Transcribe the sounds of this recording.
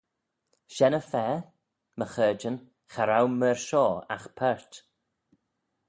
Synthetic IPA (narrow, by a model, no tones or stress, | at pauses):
ʃɛnəfɛː | məxəːd͡ʒən | xaɾawməɹʃɔːa̰xpʰɛɹt